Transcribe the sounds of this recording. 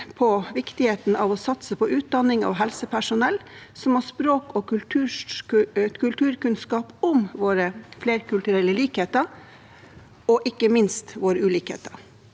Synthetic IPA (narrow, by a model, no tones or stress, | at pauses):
pʰɔʋɪkt̪ɪheːt̪n̩ɑʋɔsɑt̪səpʰɔʔʉːt̪̚d̪ɑnɪŋɑ̰ʋɦɛlsəpʰæʂʊnɛlːsɔmhɑʂpɾoːkɔkʉlt̪ʰʉː | tkʰʉlt̪ʰʉːɾkʉnskɑːpʊmʋoːɾəfleːɾkʰʉlt̪ʉɾɛlːəliːkheːt̪əɾ | ɔʔɪkːəmɪnst̪ʋoːɾəʉːliːkhḛːt̪əɾ